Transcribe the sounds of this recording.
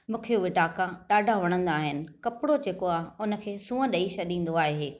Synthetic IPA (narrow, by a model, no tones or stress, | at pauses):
mũːkʰijoʋɪʈaːkaɗaːɖʱaʋɐɽ̃ə̃nd̪aːɦɪnɪ̆kɐpɪɽod͡ʑeːkoaːɦɪʊnə̆kʰeːsũːə̃ɗɐiʃɐɗĩːn̆d̪oaːɦeː